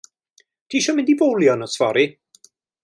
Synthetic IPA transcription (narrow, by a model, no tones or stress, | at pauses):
kʰiːʃɔmɪ̃ndibowlˠjɔnɔsvɔɾi